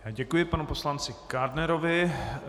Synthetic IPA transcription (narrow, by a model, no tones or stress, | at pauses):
jaːɟɛkujɪpanupo̞slant͡sɪkaɾdnɛɾovɪ